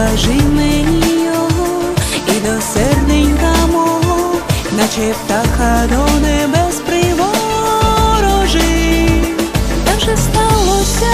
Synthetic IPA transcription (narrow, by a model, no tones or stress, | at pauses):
aʒɪmɛijɔɦɔ | id̪ɔsɛrd̪ɪnʲkamɔɦɔnat͡ʃɛpt̪akɐd̪ɔwnɛbɛspɾɪʋɔ | ɾɔʒɪ | t̪aʒɛst̪alˠɔsʲɐ